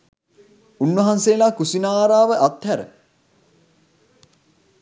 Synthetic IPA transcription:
unːʋɐɦanseːlaːkusinaːɾaːʋəʔat̪hæɾə̰

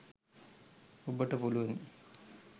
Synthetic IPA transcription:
ubəʈəpuluʋɐn

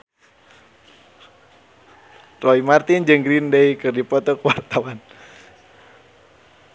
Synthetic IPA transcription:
rɔimart̪ind͡ʒɨŋɡɾindeikɨrdipɔt̪ɔkəwart̪awan

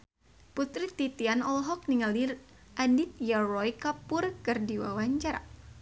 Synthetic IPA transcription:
put̪ɾit̪it̪ianɔlɦɔk̚niŋalir | ʔadit̪̚jarɔjkapʊrkɨrdiwa̰waɲt͡ʃar

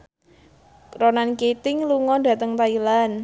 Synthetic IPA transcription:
ronanket̪ɪŋluŋɔdä̤t̪əŋt̪ailan

